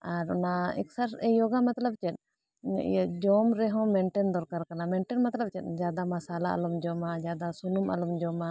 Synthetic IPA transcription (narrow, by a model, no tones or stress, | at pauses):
aɾɔnaɛ̰ksaɾɛjɔɡamat̪ləb̚t͡ʃɛt̪̚ˀ | d͡ʒɔmɾɛɦɔ̃mɛɳʈɛnd̪ɔɾkaɾkanamɛɳʈɛnmat̪ləb̚t͡ʃɛt̪̚ˀd͡ʒad̪amasalaʔa̰lumd͡ʒɔmad͡ʒad̪asunumʔa̰lumd͡ʒɔma